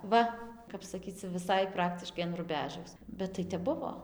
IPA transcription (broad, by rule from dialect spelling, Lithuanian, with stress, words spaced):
ˈʋɐ kɐp sɐˈkʲiːt͡s t͡sʲɛ ʋʲɪˈsɐɪ ˈprɑːktʲɪʃkɐɪ ɐn rʊˈbʲæːʒɐʊs bʲɛt tɐɪ ˈtʲɛp ˈbʊʋoː